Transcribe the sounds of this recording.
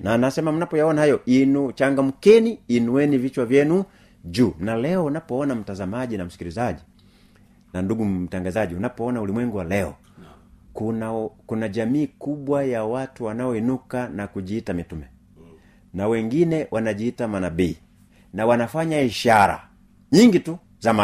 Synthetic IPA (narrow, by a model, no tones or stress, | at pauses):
nanasɛmam̩napɔjaɔnahajɔʔinut͡ʃaŋɡam̩kɛniːnuwɛnivit͡ʃwavjɛnu | ʄuːnalɛɔunapɔɔnam̩tazamaʄinam̩si̥kilizaʄi | nanduɡutaŋɡazaʄiunapɔɔnaulimwɛŋɡuwalɛɔ̰ | kunakunaʄamiːkuɓwajawatuwanaɔinukanakuʄiːtamitumɛ | nawɛŋɡinɛwʔanaʄiːtamanabiː | nawanafaɲaiʃaɾa̰ | ɲiŋɡitu | zama